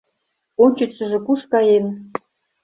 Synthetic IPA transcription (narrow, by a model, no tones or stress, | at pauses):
ont͡ɕyt͡sɘ̆ʒĕkuʃkɑjen